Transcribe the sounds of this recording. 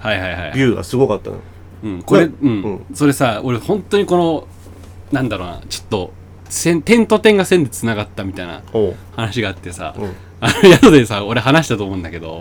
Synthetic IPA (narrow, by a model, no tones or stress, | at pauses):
haihaiha̰ḭbʲɨːɡa̰sɨɡo̞kat̪ːa̰no̰ | ɯ̟̃ɴko̞ɾeɯ̟̃ɴ̃so̞ɾe̞sao̞ɾehõ̞nt̪o̞ɲ̟iko̞no̞ | nãnd̪aɾo̞ːna̰t͡ɕo̥t̪ːo̞ | sẽ̞nt̪ẽ̞nt̪o̞t̪ẽ̞ŋɡasẽ̞nd̪et͡sɨnaɡat̪ːamʲit̪aina̰ohanaɕiɡaːt̪ːe̞sa̰ | anojat̪od̪esao̞ɾe̞ɦanaɕi̥t̪at̪oːmoɯ̃nd̪ake̞d̪o̞̰